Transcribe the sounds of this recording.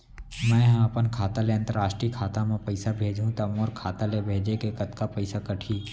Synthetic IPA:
mɛ̃ːɦɐpənkʰaːt̪aleɐ̃nt̪əɾaːʃʈɾikʰaːt̪amẽpɐɪsabʱeːd͡ʒɦũt̪ɐmoːɾkʰaːt̪alebʱeːd͡ʒekekɐt̪kapɐɪsakɐʈʰiː

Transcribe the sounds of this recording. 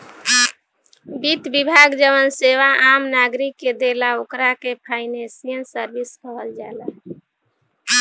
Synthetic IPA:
bit̪bibʱaɡd͡ʒəʋənseʋaʔamnaɡɾikːed̪elaokɾakepʰaɪnesijənsəɾbiskəɦəld͡ʒala

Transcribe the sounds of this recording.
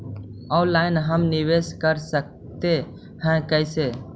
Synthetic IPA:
ɔːlaːɪnɦəmnɪʋeskəɾsək̚ | t̪e | hɛ̃kəɪseː

